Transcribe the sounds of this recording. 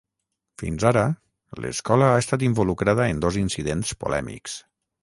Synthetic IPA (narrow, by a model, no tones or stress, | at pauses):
fḭnzaɾə | lə̰skɔləaest̪at̪imbulukɾað̞əend̪ozinsiðenspṵlɛ̰mḭks